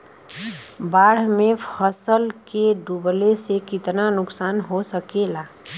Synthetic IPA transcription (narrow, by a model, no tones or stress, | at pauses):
baːɽ̤mẽpʰəsəlkeɖublesekɪt̪nanʊksaːnɦosəkela